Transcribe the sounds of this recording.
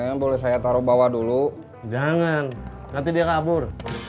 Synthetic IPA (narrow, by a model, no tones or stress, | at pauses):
aŋanbolɛhs̬ajat̪aɾubawadulu | d͡ʒaŋan | ŋat̪idiakabʊr